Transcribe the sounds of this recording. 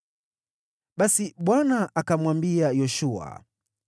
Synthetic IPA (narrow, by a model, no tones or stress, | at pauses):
ɓasiɓwanaʔakamwambiajɔʃua̰